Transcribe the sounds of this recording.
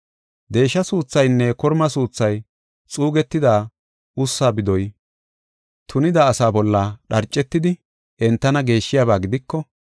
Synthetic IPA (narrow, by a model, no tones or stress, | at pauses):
d̪e̞ːʃːɐsuːt͡sːɐjnːɛkɔɾmɐsuːt͡sːɐj | t͡sʼuːɡɛt̪ːɪd̪aː | ʊsːaːbɪd̪ɔj | t̪ʰʊnɪd̪aːsaːbɔlːaːɗɐɾt͡ʃʼːɛt̪ːɪd̪ɪ | ʔɛnt̪ːɐnɐɡe̞ːʃːɪjaːβaːɡɪd̪ɪkːɔ